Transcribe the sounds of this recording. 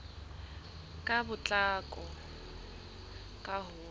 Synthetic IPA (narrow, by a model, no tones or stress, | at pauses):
kʼabʊt͡ɬʼakʼɔ | kʼaɦʊː